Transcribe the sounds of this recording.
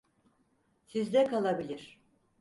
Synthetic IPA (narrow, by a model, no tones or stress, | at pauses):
sizd̪ɛkʰalˠabilʲiɾ̥